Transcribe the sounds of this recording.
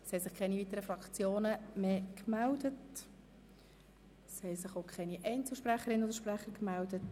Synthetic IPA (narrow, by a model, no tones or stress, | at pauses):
shɛsɪχkʰɛniviːt̪əɾəfɾɑkt͡sjoːnəmeːkmældət | shɛsɪχokʰχɛniʔɛɪnt͡sl̩ˠʃpræχəɾɪnəodəɾʃpɾæχəɾkmældət